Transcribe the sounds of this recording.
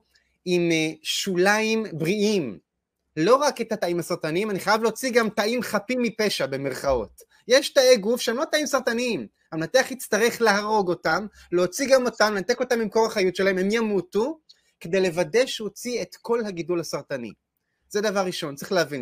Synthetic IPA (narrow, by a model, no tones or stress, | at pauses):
imʃulaimbʁiim | lo̞ʁakethataimhasaʁtanimaniχajavleot͡siɡamtaʔimχapimːipe̞ʃabe̞me̞ʁχao̞̰t | jeʃtaeɡufʃeemloataimsaʁtanim | amlateaχhit͡staʁe̞χleɦaʁo̞ɡo̞tam | leot͡siɡamo̞tamlenat̪e̞ko̞tamimko̞ʁaχajutʃelahememjamutu | ke̞de̞jle̞vade̞ʃehot͡sietko̞lhaɡidulhasaʁtanḭ | zedavaʁːiʃo̞nt͡saʁiχleavin